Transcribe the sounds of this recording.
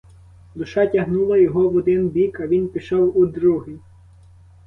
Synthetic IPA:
d̪ʊʃɑtʲɐɦnulˠɐjɔɦɔwɔd̪ɪnbʲikɐʋʲinpʲiʃɔwud̪ɾuɦi

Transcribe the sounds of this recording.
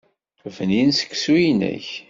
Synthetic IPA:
vəninsə̥kːsujnə̰ç

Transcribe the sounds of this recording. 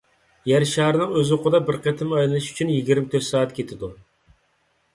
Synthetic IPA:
jæɾʃɑːɾɨnɨŋøzqʰʊd̪ɑbɪɾqet̪ʰɪmɑjlɨlˠɨʃy̥t͡ʃʰynjiɡʲiɾmɪt̪ʰøt̪sɑːɛt̪kʲʰet̪ʰɪd̪u

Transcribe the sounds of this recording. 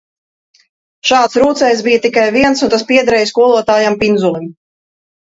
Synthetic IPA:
ʃaːt̪sɾuːt̪sɛjsbijət̪ikajviɛnsunt̪aspiɛd̪aɾɛjskuɔlˠuɔt̪aːjampinzulˠim

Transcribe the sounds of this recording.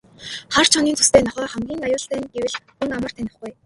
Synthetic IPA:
χar̥t͡ɕʰɔniːnt͡sʰust̪ʰeːnɔχœːrχæmɡʲiːŋajʊːɮt̪æːnɡewɘ̆ɮxuŋamə̆r̥t̪ʰænʲɪ̆χɡuj

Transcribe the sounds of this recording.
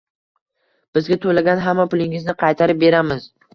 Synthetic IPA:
b̥ɪzɡʲat̪ʰolaɡʲanɦamːapʊlɪŋɪznɪqʰɑjt̪ʰaɾɪp̚be̞ɾamɪz

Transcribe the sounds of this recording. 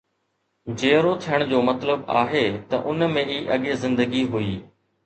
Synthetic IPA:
d͡ʑeːɾot̪ʰijəɽ̃d͡ʑoːmɐt̪ləba̰ːɦeːt̪ɐ̰ʔʊnmẽiːʔɐɠezɪ̃nd̪əɡiɦuiː

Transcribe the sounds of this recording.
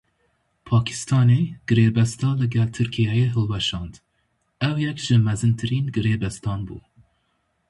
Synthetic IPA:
pʰɑːkʰi̥st̪ʰɑːneːɡ̥ɨɾeːbɛst̪ɑːlɨɡɛlt̪ʰɨɾkʰijɛjeːɦɨlwɛʃɑːnd̪ | ɛwjɛkʒ̥ɨmɛzɨnt̪ʰɨɾiːnɡɨɾeːbɛst̪ʰɑːnbṵː

